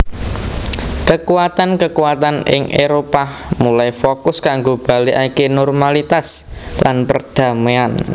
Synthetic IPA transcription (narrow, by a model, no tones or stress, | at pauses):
kəkuat̪ankəkuwat̪anɪ̰ŋʔeɾopamulajfokʊskaŋɡob̥a̤liʔaikenɔrmalit̪aslʔanpərd̥a̤mean